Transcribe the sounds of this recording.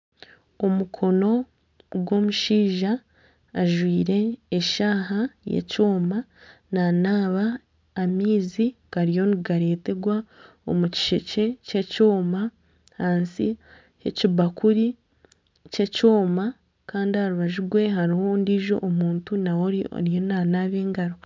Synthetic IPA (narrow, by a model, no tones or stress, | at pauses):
omukʰo̞no̞ | ɡwo̞muʃiːʒaː | ʒwiːɾe̞ːʃaːɦajḛco̞ːma | nanaːβaː | miːzikaɾijo̞niɡaɾe̞ːte̞ɡwa | o̰muci̥ʃece̞ce̞co̞ːma | haːnsi | hecibakuɾi | ce̞co̞ːma | kaːndihaɾuβaʒiɡwe̞ɦaɾiho̞ndiːʒo̞̰ʔːmuːntunawo̞ɾḭɾijonanaːβeːŋɡaɾo̞